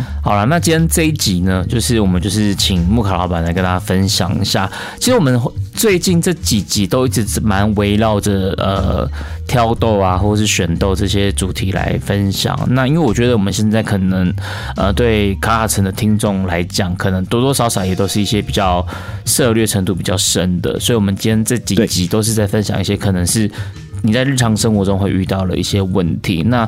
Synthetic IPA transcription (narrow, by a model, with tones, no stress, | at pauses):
xɑ˨˩ʊla˦na˥˩t͡ɕi˥jɛ˥nt͡sɤ˥˧i˥˩t͡ɕi˨˥nə˧t͡ɕjo˥˧ʊʂɻ̩˥˩wɔ˨˩mə˦nt͡ɕjo˥˧ʊʂ̬ɻ̩˥˩t͡ɕʰi˨˩ŋmu˥˩kʰa˨˩lɑ̰˧ʊpa˨˩nla˧ɪkə˥nt̪a˥a˥˧fə˦˥nɕjɑ̰˨˩ŋḭ˧˦ɕja̰˥˩ | t͡ɕʰi˧˥ʂɻ̩˧˥wɔ˨˩mə˦nt͡swe˥˧ɪt͡ɕi˥˧nʈ͡ʂɤ˥˩t͡ɕi˨˩t͡ɕi˧˥t̪o˥ʊi˥˩ʈ͡ʂɻ̩˧˥ma˧˦˥nwe˧˥ɪlɑ˥˩ʊʈ͡ʂə˩ə̰˩t̪ʰjɑ˥ʊt̪o˥˧ʊa˨xwɔ˥˩ə˩ʂ̬ɻ̩˥˩ɕɥɛ˨˩nt̪o˥˧ʊʈ͡ʂɤ˥˩ɕ̬jɛ˥ʈ͡ʂu˨˩t̪ʰi˧˥la̰˧˥ɪfə˦nɕjɑ̰˨˩˦ŋna˥˧i˥ŋwe˥˩wɔ˨˩t͡ɕɥɛ˧˥d̪ə˧wɔ˨˩mə˦ɕjɛ˥˧t͡sa˥˩ɪkʰɤ˨˩nə˧˥ŋ | ə˧˨t̪we˥˩ɪkʰa˧˥kʰa˨˩ʈ͡ʂʰə˧˥nd̪ə˨t̪ʰi˥ŋʈ͡ʂʊ˥˩ŋla̰˧˥ɪt͡ɕjɑ˨˩˦ŋkʰɤ˨˩nə˧˦ŋt̪wɔ˥t̪wɔ˥ʂɑ˧˥ʊʂɑ˨˩ʊjɛ˨˩t̪o˥ʊʂɻ̩˥˩i˥˩ɕjɛ˥pi˨˩t͡ɕjɑ˥˩ʊ | sɤ˥˧lɥɛ˥˩ʈ͡ʂʰə˧˥ŋt̪u˥˩pi˨˩t͡ɕjɑ˥˩ʊʂə˦˥nd̪ə̰˨swɔ˧˥i˨˩wɔ˨˩mə˦nt͡ɕi˥jɛ˥nt͡sa˥˩t͡ɕi˨˥t͡ɕi˧˥t̪o˥ʊʂ̬ɻ̩˥˧t͡sa˥˩ɪfə˦˥nɕjɑ̰˨˩ŋi˥˩ɕjɛ˥kʰɤ˨˩nə˧˥ŋʂɻ̩˥˩ | ni˨˩t͡sa˥˧ɪɻ̩˥˩ʈ͡ʂʰɑ˧˥ŋʂə˥ŋxwɔ˧˥ʈ͡ʂʊ˥ŋxwe˥˧ɪʔy˥˧t̪ɑ˥˩ʊlə̰˨˩ʔḭ˥˩ɕjɛ˥wə˥˩nt̪ʰḭ˧˥˦na˥˩